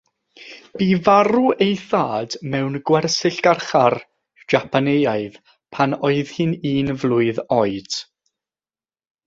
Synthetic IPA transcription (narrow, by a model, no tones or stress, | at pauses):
b̥iːvaɾuejθaːd̥mɛwnɡwɛrsɪɬɡ̥arχar | d͡ʒ̥apʰanejaɨð̥ | pʰanɔɨð̥hɨniːnvlˠʊɨðɔɨd̥